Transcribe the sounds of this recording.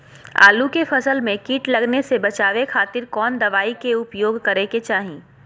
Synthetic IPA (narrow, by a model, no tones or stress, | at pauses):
a̰ːlukefɐsəlmẽkiːʈlɐɡnesebɐt͡ʃaːʋekʰaːt̪ɪɾkɔːnd̪ɐʋaːikeʊpjoːɡkɐɾeket͡ʃaːɦẽː